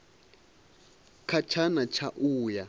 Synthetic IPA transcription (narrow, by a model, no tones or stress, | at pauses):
kʰat͡ʃʰanat͡ʃʰaʔuːja